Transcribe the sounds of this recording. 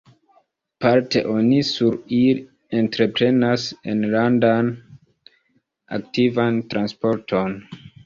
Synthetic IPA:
paɾte̞̰ʔo̞nisuɾil | e̞ntɾe̞pɾe̞nase̞̰nlandan | a̰ktivantɾanspo̞ɾtʰo̞n

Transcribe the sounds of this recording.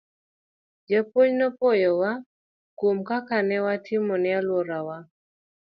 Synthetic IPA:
d͡ʒapoɲnɔpojɔwa | komkakanɛwatʰɪmɔnɛalwɔɾawa

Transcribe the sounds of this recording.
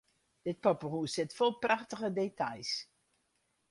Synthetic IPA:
d̥ɪt̚pɔpərusɪtfolˠprɑχtəχədetɑjs

